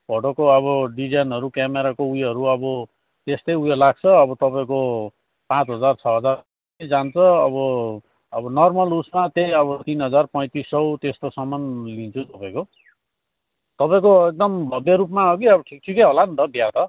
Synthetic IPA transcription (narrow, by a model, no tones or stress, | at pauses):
b̥ʱʌʈokoʌβʌɖid͡zanɦʌɾukjameɾakoujɦʌɾuʌbʌ | t̪est̪ʌjujʌlaɡ̚t͡sʰʌːbʌt̪ʌpaĩko | pãt͡sɦʌd͡zart͡sʰʌɦʌd͡zar | d͡zant͡sʰʌʌbʌ | ʌbʌnʌrmʌlusmat̪ejʌβʌt̪inɦʌd͡zarpʌj̃t̪isːʌwt̪est̪osʌmʌnlint͡sʰut̪ʌpãĩko | t̪ʌpaĩkoek̚d̪ʌmbʱʌbjeɾupmaɦokiʌbʌʈʰik̚ʈʰikʌjɦolant̪ʌbjat̪ʌ